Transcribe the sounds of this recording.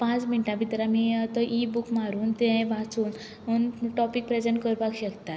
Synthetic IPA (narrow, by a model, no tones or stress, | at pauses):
pãt͡sminʈabit̪ɾamiət̪əʔibukmaɾuːnt̪ẽʋat͡suːn | unʈɔpik̚pɾed͡zəɳʈkəɾbaɡɕəkt̪at̪